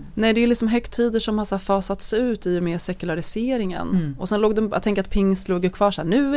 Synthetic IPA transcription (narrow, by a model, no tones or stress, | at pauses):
nɛːd̪ɛlɪksɔmɦœkt̪ʰiːd̪əʂɔmhaʂafɑːsat̪sʉ̟ːt̪ɪjʊmeːʂɛkɵlaɾɪseːɾɪŋə̰nɔsɛnloːɡd̪ɛj̰t̪ʰɛŋk̬əɾat̪̚pʰɪŋst̪loːɡjəkʰvɑːʂæːɳʉ̟ː